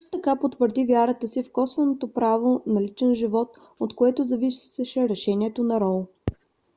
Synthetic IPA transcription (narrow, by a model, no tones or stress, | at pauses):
ʃt̪ot̪ɐkapot̪vəɾd̪ivʲjaɾət̪əsifkɔsvɛnot̪opɾavonɐlit͡ʃɛnʒivɔt̪̚ | ot̪koɛt̪ozɐviʃʃɛɾɛʃɛniɛt̪onɐɾɔlˠ